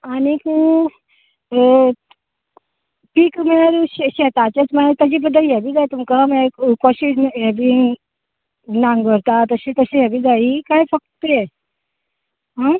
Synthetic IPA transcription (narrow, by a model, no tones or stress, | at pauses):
aniku | pikmɛaɾuɕɕɛt̪at͡ɕet͡smɛt̪əd͡ʑibəd̪ʱːəjɛbʱid͡zajt̪umkamɛ̃kɔɕiɛbʱi | nãŋɡəɾt̪at̪əɕit̪əɕijɛbʱid͡zaikajfək̚t̪e | ɦã